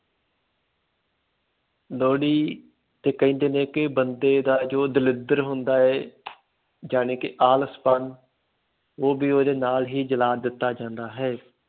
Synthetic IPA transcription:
loːɽiː | t̪eːkəĩːnd̪eːnẽːkɪbənd̪eːd̪aːd͡ʒoːd̪ɪlɪd̪əɾɦʊnd̪aːɛː | d͡ʒaːneːkɪʔaːləspan | oːbiːoːd̪eːnaːlɦiːd͡ʒəlaːd̪ɪt̪ːaːd͡ʒãːnd̪aːɦɛː

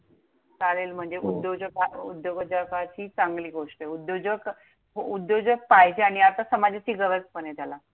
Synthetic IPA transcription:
t͡salelm̤əɳd͡zeʔud̪jod͡ʑəkaud̪joɡəd͡ʑakat͡ɕiːt͡saŋɡliːɡoʂʈəud̪jod͡ʑək | ɦoud̪jod͡ʑək̚paɦjd͡ʑaɽ̃iat̪asəmad͡ʑat͡ɕiːɡəʋəspənet̪ala

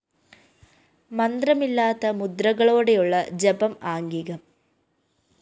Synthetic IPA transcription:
mɐnd̪rɐmilːaːt̪ːɐmud̪rɐɣɐɭo̞ːɽe̞juɭːɐd͡ʑɐbɐmaːŋɡiɣɐm

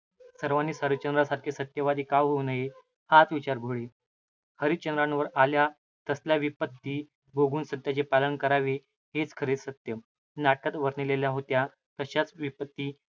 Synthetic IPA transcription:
səɾʋaniːsaɾət͡ɕənɾasaɾkʰesət̪jəʋad̪iːkaʋɦonəɦe | hat͡sʋit͡ɕaɾɡʱoɭe | həɾit͡ɕənɾanʋəɾalja | t̪əsljaʋipət̪ːiː | ɡoɡuːnsət̪ːjat͡ɕepalənkəɾaʋe | het͡skʰəɾesət̪jə | naʈ̚kat̪ʋəɾnileljaɦot̪ja | t̪əɕat͡sʋipət̪ːiː

